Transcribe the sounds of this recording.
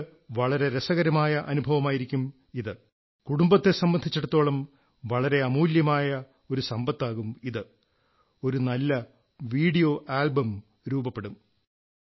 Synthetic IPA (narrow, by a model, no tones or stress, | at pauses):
ʋɐɭɐɾe̞ɾesɐɣɐɾɐmaːjɐʔɐnubʱɐʋɐmaːjiɾikʲːum | iðɨ | kuɽumbɐt̪ːesɐmbɐnd̪ʱit͡ɕːeɽut̪ːo̞ːɭɐm | ʋɐɭɐɾe̞ɐmuːljɐmaːjɐ | o̞ɾusɐmbɐt̪ːaːɣumiðɨ | o̞ɾunɐlːɐ | ʋiːɽijo̞ːʔaːlbɐm | ɾuːbɐpːe̞ɽum